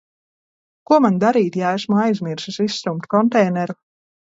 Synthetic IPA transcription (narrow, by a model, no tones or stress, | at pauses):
kuɔmand̪aɾiːt̪jaesmuajzmiɾsisisːɾumt̪kɔnt̪ɛjnɛɾu